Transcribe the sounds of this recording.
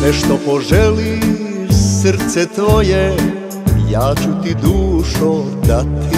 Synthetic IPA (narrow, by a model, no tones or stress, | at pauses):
nɛʃt̪opoʒɛli | sr̩t̪sɛt̪ʋoje | jaːt͡ɕut̪id̪uːʃo | d̪at̪i